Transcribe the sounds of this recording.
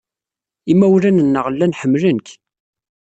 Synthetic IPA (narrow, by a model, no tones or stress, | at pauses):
imːæwlænənːəʁlːænħəmːlənk